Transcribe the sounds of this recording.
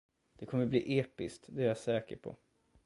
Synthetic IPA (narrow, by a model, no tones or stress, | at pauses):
d̪̥ɛkʰɔmːəblḭːʔeːpɪskt̪d̪ɛæɾjasɛːkə̰ɾpʰɔ̰